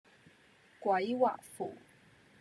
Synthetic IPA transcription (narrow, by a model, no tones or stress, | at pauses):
kwaiwa̰ʔfṵ